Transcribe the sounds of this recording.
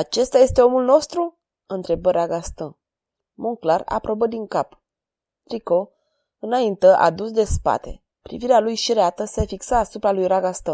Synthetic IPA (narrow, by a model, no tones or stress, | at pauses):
at͡ʃe̞st̪aje̞st̪e̞o̞mulno̞st̪ɾu | ɨnt̪ɾe̞bəɾaɡast̪ən | muŋklara̰pɾo̞bəd̪iŋkap | t̪ɾiko̞ | ɨnaint̪əʔa̰d̪usd̪e̞spa̰t̪e̞̰ | pɾḭviɾealujʃiɾeat̪əseefiksaːsupɾalujɾaɡast̪ən